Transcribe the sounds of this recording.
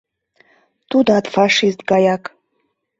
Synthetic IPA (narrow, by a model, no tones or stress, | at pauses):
t̪ud̪ɑt̪fɑʂist̪ɡɑjɑk